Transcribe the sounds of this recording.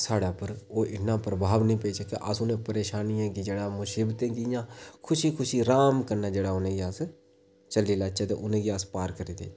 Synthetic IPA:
saːɽaːpəɾoːʔɪnãːpɾəbʱaːʋnəĩːpeːsəkḛʔasʊnẽːpəɾeːʃaːnijãːɡid͡ʒeːɽaːmʊsɪbt̪ẽːkijãːkʰʊʃiːkʰʊʃiːɾaːmkəɾnaːd͡ʒeːɽaːʊnẽːɡiaːs | t͡ʃəliːlaːt͡ʃet̪ḛʔʊnẽːɡiaːspaːɾkəɾiːd̪ḛː

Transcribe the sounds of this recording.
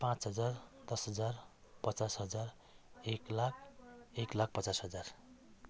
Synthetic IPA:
pãt͡sɦʌd͡zard̪ʌsɦʌd͡zar | pʌt͡sasɦʌd͡zar | eklak̚ʰeklak̚ʰpʌt͡sasɦʌd͡zar

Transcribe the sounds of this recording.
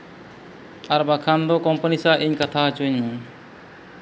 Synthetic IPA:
aɾbakʰand̪ɔkɔmpənisaʔiɲkat̪ʰaɦat͡ʃuɲu

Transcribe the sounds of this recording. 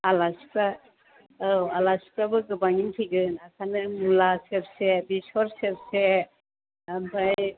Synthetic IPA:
alaspa | alaspabɯɡɯbaŋintʰiɡɯnakʰanɯmulaseɾsebisɔɾseɾse | ambaj

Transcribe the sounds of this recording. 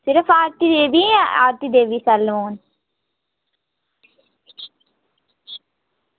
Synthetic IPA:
sɪɾɐfaːɾt̪id̪eːʋia̰ːɾt̪id̪eːʋisɐlʋoːn

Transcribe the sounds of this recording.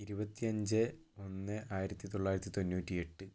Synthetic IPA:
iɾubɐt̪ːiɐɲd͡ʑɨ | o̞nːɨʔaːjiɾɐt̪ːit̪o̞ɭːaːjiɾɐt̪ːit̪onːuːtːie̞ʈːɨ

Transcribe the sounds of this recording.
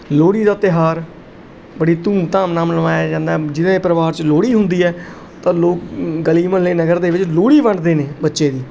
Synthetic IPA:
loːɽiːd̪aːt̪ɪɦaːɾ | bəɽiːt̪ũːmt̪ãːmnãːmləmaːjaːd͡ʒãːnd̪ad͡ʒɪd̪ãeːpɾəʋaːɾt͡ʃloːɽiːɦʊ̃nd̪iːɛː | t̪ãːloːk̚ɡəliːmə̃nleːnəɡəɾd̪eːʋɪt͡ʃloːɽiːʋə̃ɳɖd̪eːneːbətːʃeːd̪iː

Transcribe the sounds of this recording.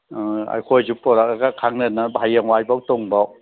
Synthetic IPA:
a̰jkʰojzupːɔɾakaɡakʰaŋnɯnːabʱajaŋwajbawtɔŋbaw

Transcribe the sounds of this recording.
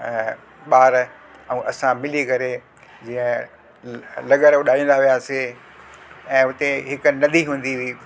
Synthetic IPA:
ɓaːɾ | ɛ̃ːʔɐsãmɪlikɐɾe | d͡ʑiːə̃ | lɐɠəɾʊɗaːĩːn̆d̪aʋijaːse | ɛ̃ːʊt̪eɦɪknɐd̪ʱiɦũːn̆d̪iʋiː

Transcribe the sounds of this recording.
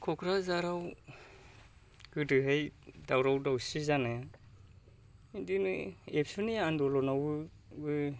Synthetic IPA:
kʰɔkʰɾazaɾaw | ɡ̥ɯdɯɦɯjdawɾawdawsizana | indinɯepsunijaandɔlɔnawɯ | bɯ

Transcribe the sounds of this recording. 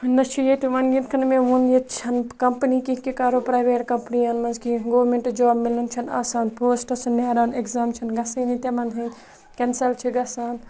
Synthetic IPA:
nɐt͡ʃʰijet̪iʋɐnɡinkʰɐnmẽʋunjet̪t͡ʃʰɐnkɐmpnikikekaːɾopɾaːjʋeːʈkɐmpniɐnmɐnzkiɡoːʋɾmeɳʈd͡ʒaːbmilɐnt͡ʃʰɐna̰ːsaːnpoːsʈɐsɐnːeːɾaːnekzaːmt͡ʃʰɐnɡɐsiːnit̪emɐnɦɐ | kʲensɐlt͡ʃʰiɡɐsaːn

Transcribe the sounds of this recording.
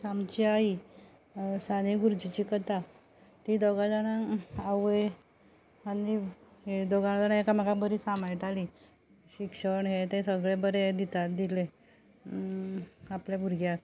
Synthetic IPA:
samt͡ɕiai | saniɡuɾd͡ʑit͡ɕikət̪a | t̪id̪ɔɡad͡zanaaʋe | anied̪ɔɡanad͡zanaekamakabəɾisamajʈali | ɕikʂəɳɦet̪ẽsəɡɭebəɾed̪it̪at̪̚d̪ile | apljabʱuɾɡjat̪

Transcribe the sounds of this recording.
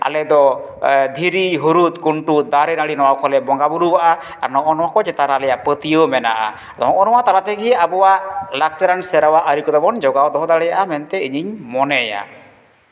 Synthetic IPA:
a̰lɛd̪ɔ | d̪ʱiɾiɦuɾut̪kuɳʈud̪aɾɛnaɽinɔwawkɔlɛbɔŋɡabuɾuwaʔa | anɔʔɔnɔwakɔd͡ʒɛt̪aɾalɛjapət̪ijəmɛnaʔa̰ | d̪ɔ̰ŋʔɔnɔwat̪aɾat̪ɛɡiabɔwaʔlak̚t͡ʃaɾansɛɾawaʔəɾikɔd̪ɔbɔnd͡ʒɔɡawd̪ɔɦɔd̪aɽɛjaʔamɛnt̪ɛiɲiɲmɔnɛja̰

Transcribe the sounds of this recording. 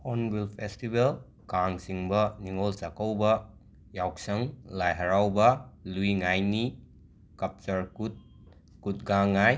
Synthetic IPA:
ɔnbilpʰestibel | kaŋsiŋbɐniŋolsakɐwbɐ | jawk̚sɐŋlajɦɐɾawbɐluiŋajni | kɐp̚t͡ʃɐɾkut̚ | kut̚ɡaŋaj

